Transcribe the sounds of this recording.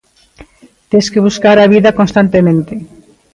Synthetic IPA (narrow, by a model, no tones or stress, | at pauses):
t̪ẽskeβuskaɾaβiðɐkõnst̪ant̪emẽnt̪e